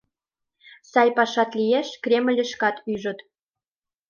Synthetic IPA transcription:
sɑjpɑʃɑt̪lijeʃkrʲemə̆lʲə̆ʃkɑt̪yʒə̆t̪

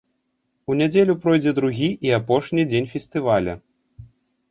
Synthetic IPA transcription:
unʲad͡zʲelʲupɾɔjd͡zʲɛd̪ɾuɣʲiʔiapɔʂnʲid͡zʲenʲfʲɛsʲt̪ɨvalʲɐ̰

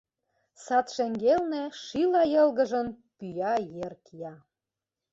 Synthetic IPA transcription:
sɑt̪ʃeŋɡelnĕʃilɑjɤ̆lˠɣə̆ʒə̆n | pyjɑjerkjɑ

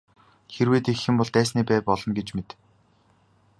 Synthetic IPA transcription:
xeɾweːt̪exɘ̆mpɔɮt̪æːsniːpæːpɔɮɞ̆nɡet͡ɕmet̪

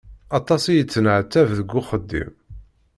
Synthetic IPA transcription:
ɑt̪ˤɑsijət͡sːənəʕt̪ːævðəɡʷːʊχəd̪ːḭm

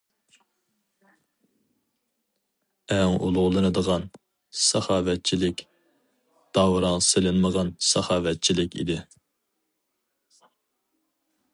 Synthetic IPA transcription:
ɛŋulˠʊʁlˠɨnɨd̪əʁɑn | sɛχɑːvɛt̪̚t͡ʃʰilɪkʲ | d̪̥ɑwɾɑŋselɪnməʁɑnsɛχɑːvɛt̪̚t͡ʃʰilɪkʲḭd̪ɪ

